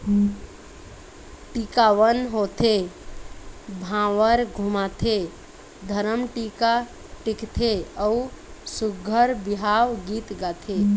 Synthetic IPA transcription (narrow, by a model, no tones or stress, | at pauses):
ʈikawənɦot̪ʰe | bʱãwəɾɡʱumat̪ʰe | d̪ʱəɾəmʈika | ʈikt̪ʰeəusuɡʱəɾbiɦawɡit̪ɡat̪ʰe